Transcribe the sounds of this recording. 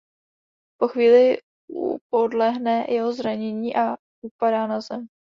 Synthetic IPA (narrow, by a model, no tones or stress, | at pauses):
po̞xviːlɪ | ṵp̚odlɛɦnɛjʔɛɦozɾaɲɛɲiːʔa | ʔupadaːnazɛm